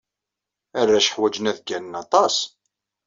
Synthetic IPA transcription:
ærːæʃə̥ħwæd͡ʒnæðɡænnɑt̪ˤɑs

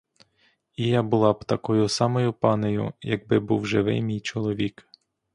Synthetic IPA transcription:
ijabʊlˠɑbt̪ɐkɔjʊsɑmɔjʊpɑnejʊ̰jɐɡ̚bɪbuwʒɪʋɪ̰jmʲijt͡ʃɔlˠɔʋʲik

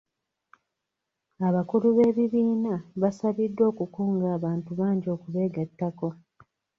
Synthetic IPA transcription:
aβakuluβe̞ːβiβiːnaβasaβidːo̞ːkukuːŋɡaːβaːntuβaːɲɟo̞ːkuβe̞ːɡatːako

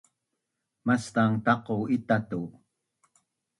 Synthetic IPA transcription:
mast̪aŋt̪ɑqoit̪at̪u

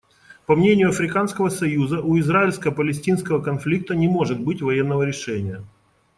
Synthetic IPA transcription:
pɐmnʲenʲɪjʊɐfɾʲɪkanskəvəsɐjuzəʔʊɪzraɪlʲskəəpəlʲɪsʲtʲinskəvəkɐnflʲik̚t̪ənʲɪmo̞ʐɨt̪̚bɨtʲvɐjenːəvəɾʲɪʂɛnʲɪjə

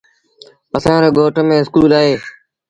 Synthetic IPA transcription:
əsãːɾeːɡʱoːʈmẽːɪskuːlaːɦeː

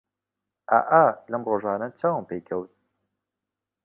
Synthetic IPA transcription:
ʔa̰ʔalɐmroːʒaːnɐt͡saːwəmpejkʰɐwt̪̚

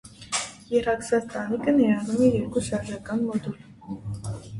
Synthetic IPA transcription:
jɛɾɑksɑt͡st̪ɑnikənɛjɑnumɛjɛɾkuʃɑɾʒɑkɑnmɔd̪ul

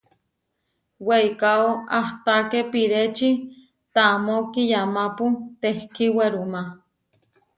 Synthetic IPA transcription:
weikaoaht̪akepiɾet͡ʃi | t̪amokijamaput̪ehkiweɾuma

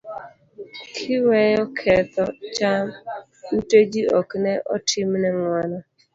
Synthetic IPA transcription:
kʰɪwɛjɔkʰɛt̪ɔt͡ʃam | uted͡ʒiɔknɛʔɔtʰimnɛŋwanɔ

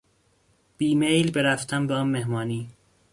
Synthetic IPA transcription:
b̥iːmejlbeɾæft̪ʰæmbeɒːnmehmɒːniː

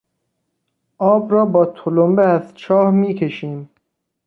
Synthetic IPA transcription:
ɒːbɾɔːbɒːt̪ʰolombeæzt͡ʃʰɔːhmiːkʰeʃiːm

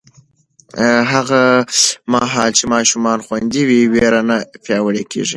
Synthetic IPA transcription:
ɦaɣamɑɦɑlt͡ʃemɑʃumɑnxwand̪iwiweɾanapjɑwəɽekʰḛʐḭ

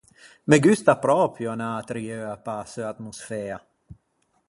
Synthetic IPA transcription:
mɛɡʉst̪apɾɔːpʰjøɛnaːt̪ɾiøːapaːsøat̪musfɛːa

